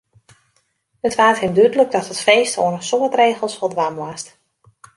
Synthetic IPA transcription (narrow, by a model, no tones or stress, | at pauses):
ətʋaːthɪmdydələɡ̚dɔthətfeːstʰo̰ənəsoːətreːɣəlˠsfɔlˠdʋamʋast